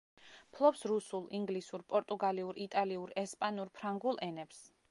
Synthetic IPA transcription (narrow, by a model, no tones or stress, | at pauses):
pʰlˠɔpsɾusulˠiŋɡlisuɾpʼɔɾt̪ʼuɡaliuɾit̪ʼaliuɾɛspʼanuɾpʰɾaŋɡulˠɛnɛps